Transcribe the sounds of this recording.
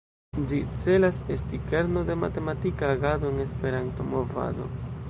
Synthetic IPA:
d͡ʒit͡se̞lase̞stike̞ɾno̞de̞ma̰te̞matikaːɡado̞eŋe̞spe̞ɾanto̞mova̰do̞̰

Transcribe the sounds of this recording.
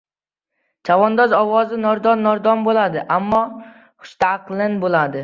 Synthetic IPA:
t͡ʃʰavɒnd̪ɒzɒwɒzɪnɒɾd̪ɒnːɒɾd̪ɒnbolad̪ɪʔamːɒ | χʊ̥ʃt̪ʰaqlˠɪnbolad̪ɪ

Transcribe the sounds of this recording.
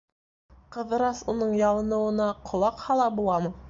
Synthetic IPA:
qɤ̆ðɤ̆ɾɑsunɤɴjɑlˠɤ̆nɤ̆wɤ̆nɑqʰŏlˠɑqhɑlˠɑbulˠɑmɤ

